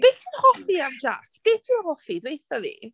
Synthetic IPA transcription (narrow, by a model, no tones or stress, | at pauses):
b̥etʰiːnɔhɔfiamd͡ʒa̰tʰb̥eːtʰiːnɔhɔfidwejθavḭ